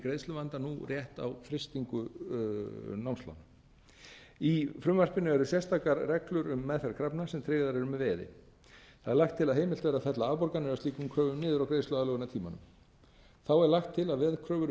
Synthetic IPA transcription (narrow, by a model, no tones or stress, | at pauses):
kɾeːjðst̪ʏvant̪anurjɛht̪a̰wfɾɪst̪iŋkʏ | nawmst̪a̰n | ifɾʏmvar̥pɪnʏɛɾʏsjɛst̪aːkaɾrɛklʏɾʏmːɛðfɛɾkʰɾapnasɛmt̪ʰɾɪːɣðaɾɛɾʏmɛvɛːðɪ̰ | θθa̰ðɛɾlaxt̪ʰːɪlaðɦejmɪlt̪vɛːɾaθɛt̪laavpɔɾkanʏast̪iːkʏmkʰɾœːvʏmnɪːðʏɾawkɾeːðslʏaðlːɣʏnat̪ʰiːma̰nʏ̰m | θawɛɾlaxt̪ʰːɪlaðvɛðkʰɾœːvʏɾ